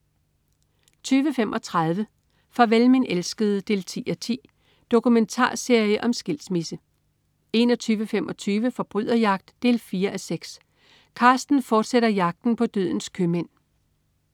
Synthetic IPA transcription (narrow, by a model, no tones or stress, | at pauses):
t͡sʰyːʋəfem̰ʔɒ̽t͡sʰʁɑð̞ˠʋə | fɑ̈ʋelmenelsɡ̥əð̞̩ˠd̥e̝̰ːlt͡sʰḭːæt͡sʰḭː | d̥o̝kument͡sʰɑ̰̈ːse̝ɐ̰jəʔɒ̽msɡ̥e̝l̰smisə | e̝nɒ̽t͡sʰyːʋəfemʔɒ̽t͡sʰyːʋəfɒ̽b̥ʁyð̰ˠɐjɑ̈ɡ̥̚d̥ːe̝̰ːlfiːɐʔæseɡ̥s | kʰɑ̈sd̥n̩fɒːd̥seɾɐjɑ̈ɡ̥̚d̥n̩pʰɒ̽d̥ø̰ðˠn̩skʰømen̰